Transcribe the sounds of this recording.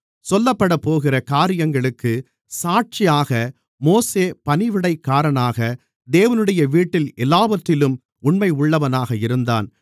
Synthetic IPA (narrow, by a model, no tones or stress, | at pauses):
sɔlːɐpːɐɽɐpːoːɣɪrɐkaːɾɪjɐŋɡɐɭɯkːɯ | saːʈ̚t͡ʃɪjaːɣɐ | moːseːpɐnɪʋɪɽɐɪkːaːɾɐɳaːɣɐ | d̪eːʋɐnɯɽɐjɐʋiːʈːɪlɛlːaːʋɐt̪ːɪlɯm | ʊɳmɐɪʊɭːɐʋɐnaːɣɐɪɾɯnd̪a̰ːn